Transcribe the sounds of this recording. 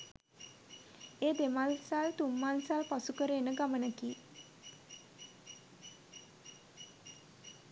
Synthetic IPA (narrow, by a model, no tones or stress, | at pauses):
eːd̪emalsalt̪umːalsalpasukəɾeːnəɡamənəki